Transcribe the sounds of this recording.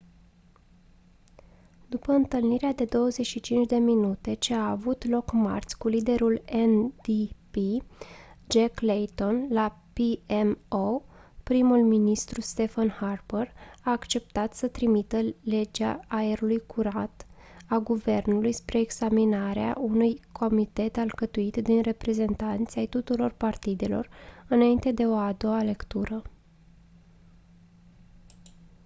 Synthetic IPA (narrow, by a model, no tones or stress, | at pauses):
d̪upəɨnt̪ɨlniɾead̪e̞d̪o̞wəze̞ʃit͡ʃint͡ʃd̪e̞minut̪e̞t͡ʃe̞aːvut̪lo̞kma̰rt̪sʲkulid̪e̞ɾulend̪ipi | d͡ʒaklejt̪o̞nlapiemopɾimulminist̪ɾust̪e̞fanharbəraːkt͡ʃe̞p̚t̪at̪sət̪ɾimit̪əle̞d͡ʒaːeɾulujkʰuɾat̪ | aɡuve̞rnulujspɾe̞ːɡzaminaɾea̰ʔunujkʰo̞mit̪e̞t̪alkət̪uit̪d̪inre̞pɾe̞ze̞nt̪ant̪sʲajt̪ut̪uɾo̞rpart̪id̪e̞lo̞̰rɨnaint̪e̞d̪e̞o̞ad̪o̞ale̞kt̪uɾə